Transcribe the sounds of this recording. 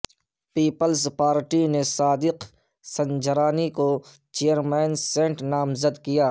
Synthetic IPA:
piːpəlspaːɾʈinesaːd̪ɪq | sɐ̃nd͡ʒəɾaːniko | t͡ʃeːjəɾmɛːnsẽːʈnaːmzəd̪kijaː

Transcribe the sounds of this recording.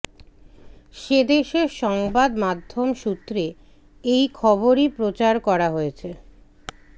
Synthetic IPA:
ʃed̪eʃeɾʃɔŋbad̪mad̪ʱːomʃut̪ːɾe | ejkʰɔboɾipɾot͡ɕaɾkɔɾaɦojet͡ɕʰe

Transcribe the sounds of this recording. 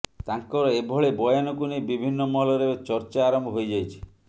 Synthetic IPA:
t̪aŋkɔɾɔebʱɔɭebɔjɔnɔkunejbibʱinːɔmɔlɔɾeet͡ʃɔɾt͡ʃaːɾɔmbʱɔɦojd͡ʒajt͡ʃʰi̥

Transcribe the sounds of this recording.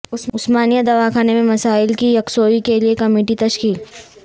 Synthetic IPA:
ʊʊsmaːnijad̪ɐʋakʰaːnemẽmɐsaːɪlkijɐksoːikeliekɐmeːʈit̪ɐʃkiːl

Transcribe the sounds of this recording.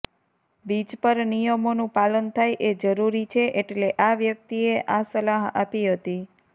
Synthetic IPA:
bid͡ʒpəɾnijəmonũpalənt̪ʰajʔed͡ʒəɾuɾit͡ʃʰeʔeʈleʔaʋjək̚t̪ieʔasəlaɦa̰piɦət̪i

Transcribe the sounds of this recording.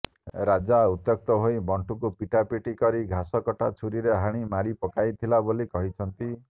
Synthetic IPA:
ɾad͡ʒaut̪ːɔk̚t̪ɔɦojbɔɳʈukupiʈapiʈikɔɾiɡʱasɔkɔʈat͡ʃʰuɾiɾeɦaɽ̃imaɾipɔkajt̪ʰilabolikɔɦit͡ʃʰɔnt̪i

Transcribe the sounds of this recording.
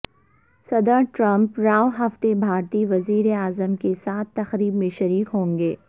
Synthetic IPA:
sɐd̪əɾʈɾɐ̃mpɾaːʋɦɐft̪ebʱaːɾt̪iʋɐziːɾeaːzəmkesaːt̪ʰːɐxɾiːbmẽʃɐɾiːkɦõːŋɡeː

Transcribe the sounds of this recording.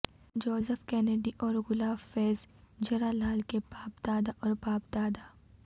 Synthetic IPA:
d͡ʒoːzəfkɛːneɖiʔɔːɾɣʊlaːfɛːzd͡ʒɐɾaːlaːlkebaːpd̪aːd̪aʔɔːɾbaːpd̪aːd̪aː

